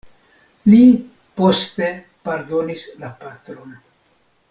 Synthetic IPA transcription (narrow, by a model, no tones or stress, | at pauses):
li | po̞ste̞ | paɾdo̞nislapatɾo̞n